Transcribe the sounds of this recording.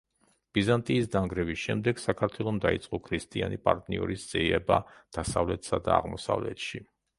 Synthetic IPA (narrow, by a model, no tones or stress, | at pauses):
b̥izant̪ʼiːs̬d̪aŋɡɾɛvisʃɛmd̪ɛɡ̥sakʰaɾt̪ʰwɛlˠɔmd̪ait̪sʼqʼɔkʰɾist̪ʼianipʼaɾt̪ʼniɔɾisd̪z̥ʼiɛbad̪̥asavlɛt̪ʰsad̪a̰ːʁmɔsa̰vlɛ̰t̪ʃi